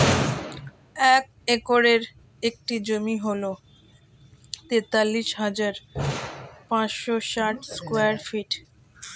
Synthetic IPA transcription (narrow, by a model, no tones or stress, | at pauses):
ɛk̚ | ekoɾeɾ | ek̚ʈid͡ʑomiɦolo | t̪et̪alːiʃɦad͡ʑaɾ | pãt͡ɕʃoʃaʈskweaɾfiʈ